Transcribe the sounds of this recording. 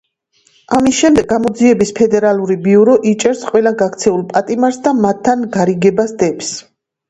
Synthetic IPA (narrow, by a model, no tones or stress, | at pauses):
amisʃɛmd̪ɛɡːamɔd̪ziɛbispʰɛd̪ɛɾalˠuɾibiuɾɔʔit͡ʃʼɛɾsqʼwɛlaɡakʰt̪sʰɛulˠpʼat̪ʼimaɾsd̪amat̪ʰːanɡaɾiɡɛbasd̪ɛps